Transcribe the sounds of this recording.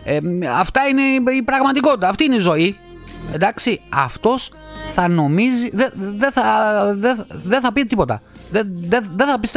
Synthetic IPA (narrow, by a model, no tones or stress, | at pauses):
eɐ̰ft̪ɐine̞ipɾɐɣmɐt̪iko̞t̪it̪ɐːft̪iːineizo̞i | end̪ɐksiɐft̪o̞s | θɐno̞miziðeðeθɐðeðeθɐpit̪et̪ipo̞t̪ɐðeðeðeθɐpist̪